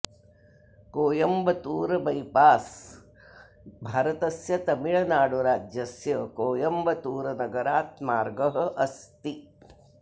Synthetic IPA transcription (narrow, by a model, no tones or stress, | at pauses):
koːjɐmbɐt̪uːɾɐbɐjpaːs | bʱaːɾɐt̪ɐsjɐt̪ɐmiɭɐnaːɽuɾaːd͡ʒjɐsjɐkoːjɐmbɐt̪uːɾɐnɐɡɐɾaːt̪maːɾɡɐɦɐ̆ʔɐst̪i